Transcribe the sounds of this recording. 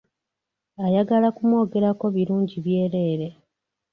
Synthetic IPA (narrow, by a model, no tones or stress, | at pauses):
ajaɡalakumwo̞ːɡe̞ɾako̞βiɾuːɲɟiβje̞ːɾe̞ːɾe̞